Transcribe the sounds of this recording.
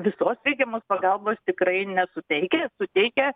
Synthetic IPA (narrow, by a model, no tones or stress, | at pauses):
ʋʲɪsoːsʋʲɛɪɡʲɛmoːspɐɡɐlˠboːst̪ʲɪkrɐɪnʲɛsʊt̪ʲɛɪkʲɛsʊt̪ʲɛɪkʲɛ